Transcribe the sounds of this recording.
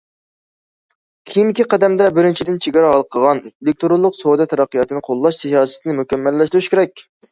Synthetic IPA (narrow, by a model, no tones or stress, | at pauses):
kʲʰejind̪ɪkʲiqæd̪ɛmd̪ɛbɪɾɪnt͡ʃʰid̪ɪnt͡ʃʰeɡʲɑɾɑɦɑlˠqʰəʁɑnelɪk̚t̪oɾolˠːʊqsod̪ɛt̪ʰɛɾɑqːijɑt̪ɨnɨqʰolˠːɑʃsʰeɦɑːsɪ̥t̪nɪmukʲʰɛmːɛlːɛʃt̪yɾyʃkʲʰeɾɛk̚ʲ